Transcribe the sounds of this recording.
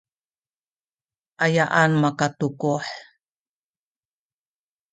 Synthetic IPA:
ʔajaʔanmakatukuħ

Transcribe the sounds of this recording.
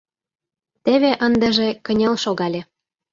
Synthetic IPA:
t̪eβeʔənd̪ə̆ʒĕkə̆nʲelʃoɣɑlʲe

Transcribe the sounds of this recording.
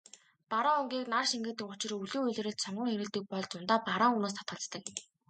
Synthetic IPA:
paɾaŋuŋɡʲiːknarʃiŋɡɘ̆t̪ɘ̆kʊt͡ɕɪ̆ruɮuːuɮ̆ɾɘ̆ɬt̪sɔɴɢə̆ŋxeɾɘ̆ɮt̪ɘ̆k̚pɔɮt͡sʊnt̪aːpaɾaːŋuːnoːs̬t̪ʰḁt̪̚ɢə̆ɮt͡st̪ə̆k

